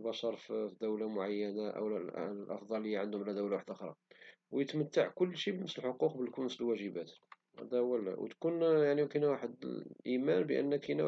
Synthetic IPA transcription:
bɑʃɑɾˤffd̪əwlamʊʕajːənaʔə̰w̰lʔɑ̰fd̪ˤɑlːəjːaʕənd̪hʊmlæd̪əwlawaħəd̪ʔəxɾˤɑ̰ | wjət̪mət̪ːaʕkʊlːʃibnəsəlħoquqbəlkunməsəlwæʒəbæt̪ | hæ̰d̪æwælæ̰w̰t̪kunjaʕnimkənwaħəd̪ʔimænbə̰ʔə̰nːəkinæ

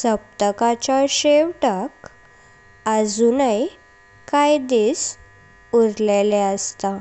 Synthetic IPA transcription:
səp̚t̪əkat͡ɕaɕeʋʈak | əd͡zunəj | kajd̪is | uɾleleəst̪a

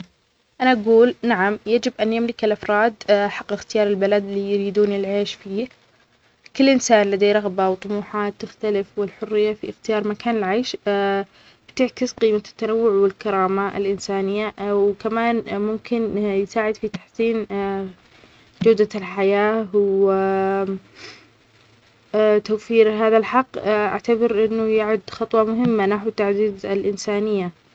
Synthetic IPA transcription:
ʔanaʔaɡuːlnaʕamjad͡ʒɪbʔanjamlɪkɪlʔafɾˤɑːd̪ħɑqːɪxt̪ɪjɑːɾˤɪlbalad̪lijɾiːd̪uːnjɪlʕeːʃfiː | kɪlːʔɪnsaːnlad̪aːɾˤɑɣbawt̪ˤʊmuːħaːt̪ːɪxt̪alɪfwɪlħʊrːɪjːafiɪxt̪ɪjɑːɾˤmakaːnɪlʕaːʃ | b̥t̪ɪʕkɪsqiːmat̪ːanawːʊʕwɪlkɑɾˤɑːmaɪ̰lʔɪnsaːnɪjːawkamaːnmʊmkɪnjɪsaːʕɪd̪fit̪ḁħsiːn | d͡ʒawd̪alħajaːw | t̪awfiːɾɦaːðalħɑqːʔa̰ʕt̪abɑɾʔɪnːʊjaʕʊd̪ːxɑt̪ˤwɑmʊɦɪmːanaħwt̪ːaʕd̪iːd̪ɪlʔɪnsaːnɪjːa

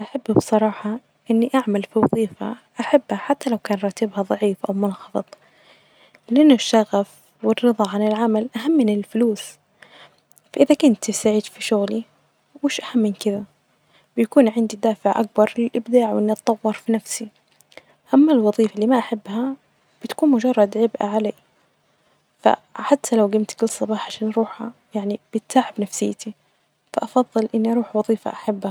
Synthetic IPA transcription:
ʔaħabːbsˤɑɾˤɑːħɑ | ʔɪnːiʔaʕmalfiwɑðˤiːfa̰ʔaħabːhaħat̪ːalawkaːnɾˤɑːt̪ɪbhaðˤɑʕiːfʔawmʊnxɑfɨt̪ˤ | lɪʔanːʊʃːaɣaf | wɪrːɨðˤɑʕanɪlʕamalʔaɦamːɪnɪlfʊluːs | faʔɪðakʊnt̪saʕiːd̪fiʃʊɣli | mɪːʃʔahamːɪnkɪða | b̥ɪjakuːnʕɪnd̪id̪aːfɪʕʔa̰k̚bɑɾˤlɪlʔɪbd̪aːʕwʔɪnːiʔɑt̪ˤːɑwːɑɾˤfinafsi | ʔamːalwɑðˤiːfalːiːmaʔaħabːha | b̥ɪt̪kuːnmʊd͡ʒɑrˤːɑd̪ʕɪbʔa̰ʕalaː | fa̰ħat̪ʰːalawɡɪmt̪kɪlsˤːɑbɑːħʕaʃaːnʔɑɾˤuːħha̰jaʕnib̥ɪt̪saːʕɪbnafsɪjːt̪i | faʔɑfɑðˤːɨlʔɪnːiʔɑɾˤuːħwɑðˤiːfa̰ʔaħabːha

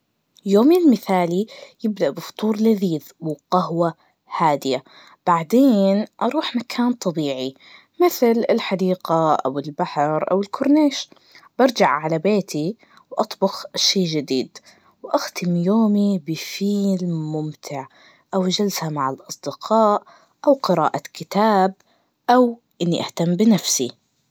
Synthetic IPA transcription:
joːmilmɪθaːlijɪb̚d̪aʔbɨfʊ̥t̪ˤuːɾˤlaðiːð | wqɑhwa | haːd̪ɪja | b̥aʕd̪eːnʔɑɾˤuːħmakʰaːnt̪ˤɑbiːʕi | mɪθlɪlħad̪iːqaʔa̰wɪlbaħɾʔa̰wɪlkʰʊɾneːʃ | b̥ɑɾˤd͡ʒaʕʕalabeːt̪ʰi | wʔɑt̪ˤbʊxʃeːʒɪd̪iːd̪ | wʔaxt̪ɪmjoːmibɪfiːlmʊmt̪ʰɪʕ | ʔawd͡ʒalsamaʕalʔɑsˤd̪ɪqʰɑːʔ | ʔawqɪɾa̰ːʔakɪt̪aːb̚ | ʔaw | ʔɪnːiʔaht̪amːbɪnafsi

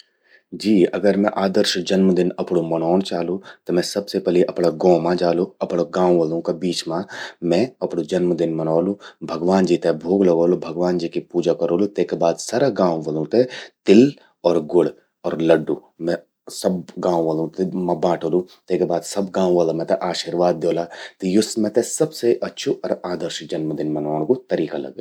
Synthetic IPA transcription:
d͡ʒiːɐ̰ɡəɾmɛ̃ʔaːd̪əɾʃd͡ʒɐnmd̪ɪnɐpɽ̃omɐnɔːñt͡ʃaːlut̪ɔmɛ̃sɐbsepɛliʔɐpɽaɡɔ̃ːmãd͡ʒaːluɐpɽaɡãːwʋəlõkabiːt͡ʃmãmɛ̃ɐpɽud͡ʒɐnmd̪ɪnmɐnaːlũbʱɐɡʋaːnd͡ʒiːt̪ebʱoːɡlɐɡoːlobʱɐɡʋaːnd͡ʒiːkipuːd͡ʒakɐɾoːlot̪eːkebaːd̪sɐɾəɦɡãːwʋəlõt̪et̪ɪl | ɔːɾɡʊɽ | ɔːɾlɐɖːuːmɛ̃ | sɐbɡãːwʋəlũt̪mɐbãːʈʰoːlũt̪eːkebaːd̪sɐbɡãːʋaːlamɛ̃t̪eʔaːʃiːɾʋaːd̪̚ːjoːlat̪ejʊsmẽt̪esɐbseʔɐtːʃʰuʔɔːɾaːd̪əɾʃd͡ʒɐnməd̪ɪnmɐnãːkot̪ɐɾiːkalɐ̰ɡe

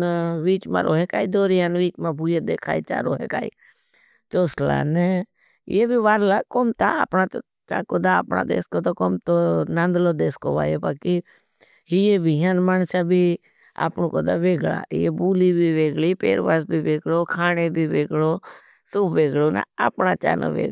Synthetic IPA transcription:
ʋiːt͡ʃma̰ɾʔo̰ːɦekaːid̪oːɾijaːnʋiːt͡ʃmãbʱujed̪eːkʰa̰ːit͡ʃa̰ɾo̰ːɦḛka̰ːḭ | t͡ʃ̪oːsla̰nḛ | jebʱiʋaːɾlakomt̪aa̰pɳat̪o | t͡ʃa̰koːd̪aa̰pɳa̰d̪ḛːskot̪okomt̪onãnd̪lod̪eːsko̰ʋa̰ːjobaːki | ijebʱiɦanmaːnsabʱi | a̰pnokoːd̪aʋeːɡɭa̰ːɪ̰jebuːliːbʱiʋeːɡɭiːpḛːɾʋaːsbʱiːʋeːɡɽoːkʰaːnebʱiːʋeːɡɭoː | sʊbʋeːɡɭoːnã̰a̰pɳaːt͡ʃa̰ːnə̰ʋḛː

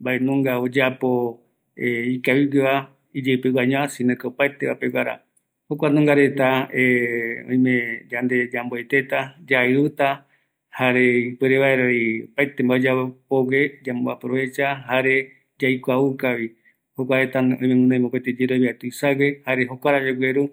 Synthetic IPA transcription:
mbaenũŋɡaod͡ʒapo | eikaβiɡeβa | id͡ʒepewaɲõasinakeopat̪eβape̞waɾa̰ | hokʷanũŋɡaɾe̞t̪aeõ̰ĩmẽd͡ʒand̪e̞d͡ʒamboejt̪e̞t̪ad͡ʒaɨɾut̪a | haɾe̞ipeɾeβaeɾoiopajt̪embaod͡ʒapowed͡ʒamboa̰pɾoβe̞t͡ʃaɦaɾe | d͡ʒajkʷaukaβi | hokʷaɾet̪aõĩmẽmũnãmopet̪ed͡ʒeɾoβiat̪uisawehaɾeɦokʷaɾad͡ʒoɡʷeɾu

